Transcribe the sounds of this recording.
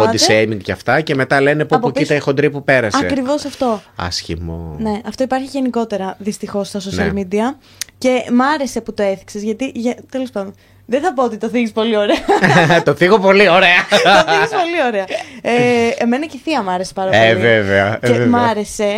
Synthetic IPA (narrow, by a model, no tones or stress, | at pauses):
ot̪issemiŋɡʝɐft̪ɐceme̞t̪ɐle̞nepuɐpokit̪ɐixod̪ɾipupe̞ɾɐsɐḛkɾivo̞sɐft̪o̞ɐ̰sçḭmo̰ne̞ɐft̪oipɐɾçiʝe̞niko̞t̪e̞ɾɐðist̪ixo̞sːt̪ɐs̬onɐlmid̪iɐ | ce̞mɐɾe̞se̞put̪o̞e̞θi̥kse̞zʝɐt̪iʝt̪elospɐno | ðeθɐpo̞ot̪it̪oθiʝispo̞lio̞ɾe̞ɐt̪ofiɣopo̞lioɾeɐoiɣispo̞lio̞ɾe̞ɐeeme̞nɐceθiɐmɐɾe̞se̥pɐɾɐpoeliveveɐemɐɾe̞se̞